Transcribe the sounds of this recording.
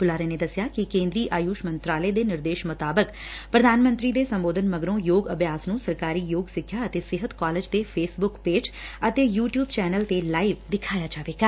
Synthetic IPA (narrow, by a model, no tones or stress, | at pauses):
bʊlaːɾeːneːd̪əsjaːkɪkẽːnd̪ɾiːʔaːjuːʃmənt̪ɾaːleːd̪eːnɪɾd̪eːʃmʊt̪aːbək | pɾəd̪ʱaːnmə̃nt̪ɾiːd̪eːsəmboːd̪ənməɡɾõːjoːɡəbjaːsnũːsəɾkaːɾiːjoːɡsɪkʰːjaːət̪eːsɪɦət̪kaːleːd͡ʒt̪eːpʰeːsbʊkpeːd͡ʒət̪eːjuːʈjuːbt͡ʃɛːnəlt̪elaːiʋd̪ɪkʰaːjaːd͡ʒaːʋeːɡaː